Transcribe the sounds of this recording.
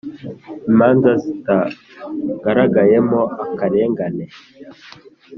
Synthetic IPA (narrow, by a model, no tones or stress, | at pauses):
imaːnzazita | ɡaɾaɡajemoʔakaɾeːŋɡane